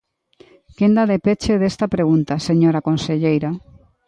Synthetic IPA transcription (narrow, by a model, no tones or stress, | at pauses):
kend̪aðepet͡ʃeðest̪apɾeɣ̞unt̪aseɲoɾakonseʎejɾa